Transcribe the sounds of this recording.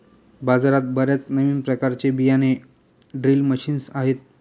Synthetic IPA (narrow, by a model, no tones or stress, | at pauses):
bad͡zaɾat̪̚bəɾjat͡snəʋiːnpɾəkaɾt͡ɕebijane | ɖɾilməɕiːnsaɦet̪̚